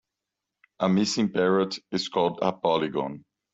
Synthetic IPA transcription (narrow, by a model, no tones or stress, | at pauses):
ʔəmɪsɪ̃ŋpɛɹətɪz̥kʰɔlˠdə̰pɔliɡɔ̰̃n